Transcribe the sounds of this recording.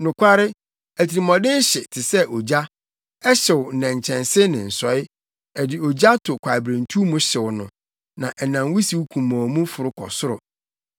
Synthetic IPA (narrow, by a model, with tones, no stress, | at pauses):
nʊ̃˨kʷʰa˦ɾɪ˦ | æ˨tʰi˨ɾi˨mɔ̃˨dɪ˦ɕɪ˨tʰɪ˨sɛ˦ʔɔ˨d͡ʑa˦ | ɛ˦ɕɪ˨wʊ˨nɛ̃˨ɲ˨t͡ɕʰɛ̃˨nsɪ˦nɪ̃˨n̩˨sɔ˨˦ɪ˦ | ɛ˨dɪ˨ɔ˨d͡ʑa˦tʰʊ˨kʷʰa˨ɪ˨bɾẽ˨n˨tʰu˦mũ˦ɕɪ˨wʊ˨nʊ̰̃˨ | nã˨ʔɛ˨nã˨nwi˦si˨wu˦kʰũ˨mɔ̃˨mũ˦fʊ˨ɾʊ˦kʰɔ̰˨sʊ˦ɾʊ˨